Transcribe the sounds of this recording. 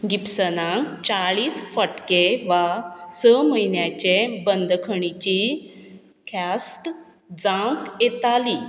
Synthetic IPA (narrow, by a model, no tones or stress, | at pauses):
ɡipsənãkt͡ɕaɭiːsfəʈkeʋasəməinjat͡ɕebənd̪kʰəɳ̃it͡ɕi | kʰasʈ | d͡zãkjet̪ali